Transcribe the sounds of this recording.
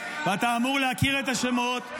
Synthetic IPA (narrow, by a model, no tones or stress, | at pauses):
veat̪aːmuʁleakiʁet̪aʃemo̞t̪